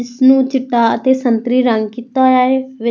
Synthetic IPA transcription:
ɪsnũːt͡ʃɪʈːaːət̪eːsənt̪ɾiːɾəŋɡkit̪aɦojaːeːʋɪ

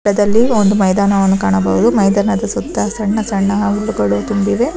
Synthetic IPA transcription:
ɐd̪ɐlːiond̪umɐjd̪aːnɐʋɐnːukaːɳɐbɐɦud̪umɐjd̪aːnɐd̪ɐsut̪ːɐsɐɳːɐsɐɳːɐɦɐuɭːuɡɐɭut̪umbiʋe̞

